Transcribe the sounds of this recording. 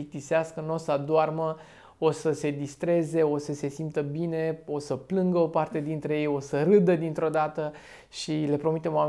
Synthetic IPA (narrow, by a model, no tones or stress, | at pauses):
ik̚t̪iseaskəno̞sad̪oarmə | o̞səse̞d̪ist̪ɾe̞ze̞o̞səse̞simt̪əbine̞o̞səplɨŋɡəo̞part̪e̞d̪int̪ɾe̞jejo̞səɾɨd̪əd̪int̪ɾo̞d̪at̪ə | ʃile̞pɾo̞mit̪emoa